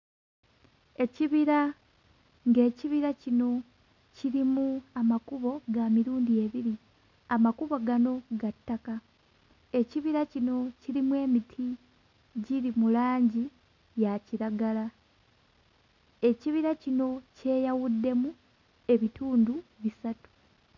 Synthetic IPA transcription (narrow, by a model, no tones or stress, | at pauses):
e̞ciβiɾa | ŋɡe̞ːciβiɾacino̞ | ciɾimuamakuβo̞ɡamiɾuːndie̞βiɾi | amakuβoɡano̞ɡatːaka | e̞ciβiɾacino̞ciɾimwe̞ːmitʰi | ɟiɾimulaːɲɟi | jaciɾaɡala | e̞ciβiɾacino̞ce̞ːjawudːe̞mu | e̞βituːnduβisatu̥